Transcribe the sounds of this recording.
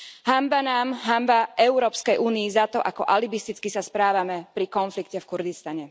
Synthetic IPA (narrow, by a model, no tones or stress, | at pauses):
ɦambanaːmɦambaʔɛʊɾɔːpskɛjʔuːniizat̪ɔʔakɔʔalibist̪it͡skisaspɾaːʋamɛpɾikɔnflikcɛfkuɾɡist̪aɲɛ